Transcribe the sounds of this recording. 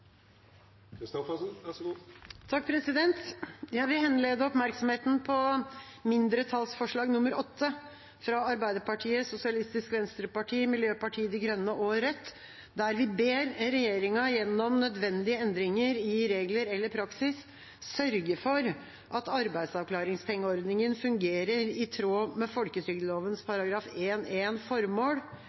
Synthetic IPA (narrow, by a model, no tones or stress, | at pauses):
t̪ʰɑk̚ːpʰɾɛsɪd̪ɛnt̪jæɪʋɪlhɛnleːd̪əɔpmæɾksɔmheːt̪n̩pʰɔmɪnd̪ɾət̪ʰɑlsfɔʂɭɑːɡnʊmːəɾɔt̪ʰːə | fɾɑɑɾbæɪd̪əpɑʈʰiːəsʊsɪɑlɪst̪ɪskʋɛnst̪ɾəpɑʈʰiːmɪljøːpɑʈʰiːəd̪ɛɡɾœnːəʔoːɾət̪ | d̪æɾʋɪbeːɾɾɛjeːɾɪŋɑjɛnːɔmnœd̪ʋɛnd̪ɪəɛnd̪ɾɪŋəɾɪɾeːɡləɾɛlːəɾpʰɾɑksɪs | sœɾɡəfɔɾ | ʔɑt̪ɑɾbæɪd̪sɑʋkʰlɑːɾɪŋspʰɛŋːəɔɾd̪nɪŋənfʉŋɡeːɾəɾɪt̪ʰɾoːmɛfɔlkət̪ʰɾʏɡd̪əloːʋənspʰɑɾɑɡɾɑːfeːneːnfɔɾmoːl